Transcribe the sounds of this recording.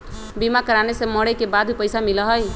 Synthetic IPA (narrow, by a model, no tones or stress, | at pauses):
bimakəɾanesemɔɽəjkebad̪ʱipəjsamiləɦəj